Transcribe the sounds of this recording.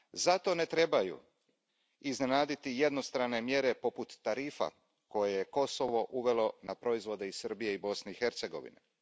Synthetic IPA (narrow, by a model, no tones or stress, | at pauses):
zat̪o̞ne̞t̪ɾe̞bajṵ | izne̞naːd̪it̪ije̞d̪no̞st̪ɾane̞mje̞ɾe̞po̞put̪ːaɾiːfa̰ | ko̞jejeko̞so̞ʋo̞ʔuʋe̞lo̞napɾo̞izʋo̞d̪e̞isɨr̩bije̞ibo̞sne̞ixe̞ɾt̪se̞ɡo̞̰ʋḭnḛ